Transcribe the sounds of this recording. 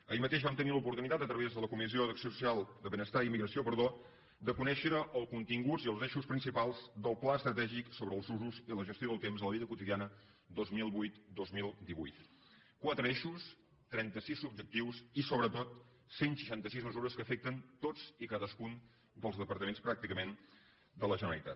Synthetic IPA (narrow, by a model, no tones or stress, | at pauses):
əimət̪eʒβamt̪ənilupuɾt̪unit̪at̪ət̪ɾəβezðələkumiziodəksiosu̥sialˠd̪əβənəst̪aimiɣɾəsiopəɾð̞o | d̪əkunɛʃəɾəʔəlˠkunt̪iŋɡud͡ziəlˠzeʃuspɾinsipalˠzd̪əlˠplaəst̪ɾət̪ɛʒiksoβɾəːlˠzuzuziləʒəst̪joðəlˠt̪emzðələβiðəkut̪iðianə | d̪ozmilˠβujt̪d̪ozmilˠd̪iβṵjt̪ | kwat̪ɾəeʃus | t̪ɾɛnt̪əsisub̚d͡ʒək̚t̪iwsisoβɾət̪ot̪̚ | senʃə̥ʃant̪əsizməzuɾəskəfɛk̚t̪ənt̪od͡zikaðəskun | d̪əlˠzðəpəɾt̪əmenspɾak̚t̪ikəmen | d̪ələʒənəɾəlˠit̪at̪̚